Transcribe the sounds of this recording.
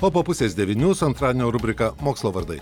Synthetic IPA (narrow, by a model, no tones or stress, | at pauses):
oːpoːpʊsʲeːsʲd̪ʲɛʋʲɪnʲuːsʊɐnt̪ɾɑːdʲenʲoːɾʊbʲɾʲɪkɐmoːkslˠoːʋɐɾd̪ɐɪ